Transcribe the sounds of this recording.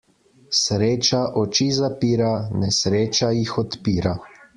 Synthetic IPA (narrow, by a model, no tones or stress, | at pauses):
sɾeːt͡ʃaʔɔt͡ʃizapiːɾanɛsɾeːt͡ʃajixɔt̪piːɾa